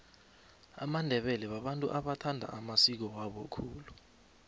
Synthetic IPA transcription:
a̰mandʱɛɓɛlɛɓaɓantʼṵʔaɓatʰandʱa̰ʔamasik̬ɔwaɓɔkʰuːlu

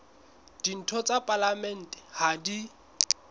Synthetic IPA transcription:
d̥in̩tʰɔt͡sʼapʼalamɛn̩ːtʼɛ̥hadi

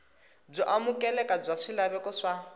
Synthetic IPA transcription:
b͡ʐɔʔamukʼɛlɛkʼab͡ʐʷaʂilaβɛkɔʂa

